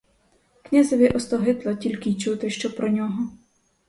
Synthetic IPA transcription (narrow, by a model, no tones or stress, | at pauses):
knʲazɔʋʲiʔɔst̪ɔɦɪt̪lˠɐtʲilʲkɪt͡ʃut̪ɪʃt͡ʃɔpɾɔnʲɔɦɔ